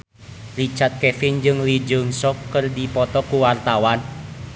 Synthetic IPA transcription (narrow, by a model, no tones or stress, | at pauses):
rit͡ʃat̪̚kɛfind͡ʒɨŋlid͡ʒɨŋsɔkːɨrdipɔt̪ɔkuwart̪awan